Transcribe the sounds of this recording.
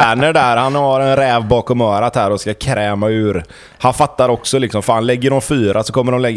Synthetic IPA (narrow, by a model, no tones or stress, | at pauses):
æːɳəɖæɾhanhaɾɛnɾɛːvbɑːkɔmœːɾat̪hæːɾɔskakʰɾɛːmaʉ̟ːɾ | hanfat̪ːaɾɔksɔlɪksɔmfaːnlɛɡːəɖɔmfyːɾasɔkʰɔmːəɖɔmlɛɡː